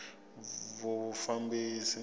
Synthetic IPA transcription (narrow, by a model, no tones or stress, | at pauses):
vufambisi